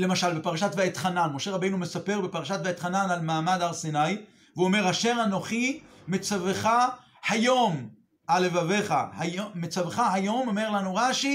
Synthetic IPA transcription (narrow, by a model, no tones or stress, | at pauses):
le̞maʃalbe̞paʁaʃat̪veet̪χananmo̞ʃeʁabejnumesape̞ʁbe̞paʁaʃat̪veet̪χananalmaːmad̪aʁsinaj | veuome̞ʁaʃe̞ʁano̞χimet͡saveχa | hajo̞m | ʔale̞vave̞χahamet͡saveχaɦajo̞mome̞ʁlanuʁaʃi